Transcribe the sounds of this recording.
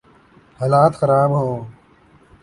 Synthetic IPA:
haːlaːt̪xɐɾaːbɦoː

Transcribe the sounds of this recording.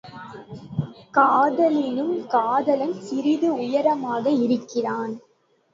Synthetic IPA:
kaːðɐlɪnɯmkaːðɐlɐnsɪɾɪðɯʊjɐɾɐmaːɣɐɪɾɯkːɪraːn

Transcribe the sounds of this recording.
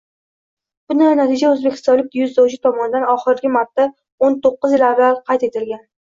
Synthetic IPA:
b̥ʊnanat̪ʰid͡ʒaɵzbekʲʰɪ̥st̪ɒnlːɪk̪̚ʲjʊzd̪ɒwd͡ʒɪt̪ʰɒmɒnɪd̪anɒχɪɾɡʲɪmaɾt̪ʰːa | ont̪oqːɨzjɪlaɾvaɾqʰɑjt̪e̞t̪ʰɪlɡʲan

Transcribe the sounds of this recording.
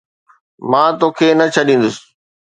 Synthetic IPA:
mãːt̪oːkʰeːnɐt͡ɕʰɐɗĩːn̆d̪ʊsɪ̥

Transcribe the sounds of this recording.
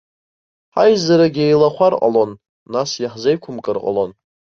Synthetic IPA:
ħajzaɾaɡʲejlaχʷarqʼa̰lo̞nː | asjaħzejkʷʰʊmkʼɨrqʼa̰lo̞n

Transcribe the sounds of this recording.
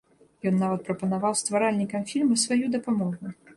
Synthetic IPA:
jɔnːavɐt̪̚pɾɐpɐnavawst̪vaɾalʲnʲikɐmfʲilʲmɐsvajud̪ɐpamɔɣu

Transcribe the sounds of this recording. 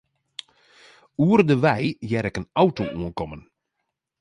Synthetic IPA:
uərdəʋɛjjɛɾɪkənawtoʔuənkɔmən

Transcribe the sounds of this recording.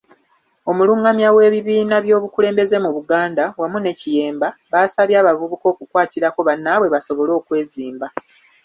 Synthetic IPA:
o̞muluːŋɡamjawe̞ːβiβiːnaβjo̞ːβukuleːmbe̞ze̞muβuɡaːndawamune̞cije̞ːmbaβasaβjaːβavuβuko̞ːkukwaːtiɾako̞βanːawe̞βaso̞βo̞lo̞ːkwe̞ːziːmba

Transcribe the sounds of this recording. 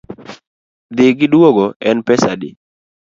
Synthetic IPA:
d̪ɪɡɪdwoɡoɛnpɛsadɪ̰

